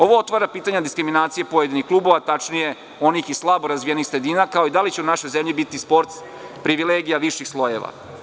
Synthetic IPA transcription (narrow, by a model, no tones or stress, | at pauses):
o̞ʋo̞ot̪ʋaɾapiːt̪aɲad̪iskɾiminaːt̪sijepo̞jed̪inixklˠuːbo̞ʋat̪at͡ʃnije̞ | o̞niːxislˠaboɾazʋijenixsɾe̞d̪iːnakao̞id̪alit͡ɕeunaʃo̞jzemʎibit̪ispo̞ɾt̪ | pɾiʋileɡijaʋiʃixslˠo̞je̞ʋa̰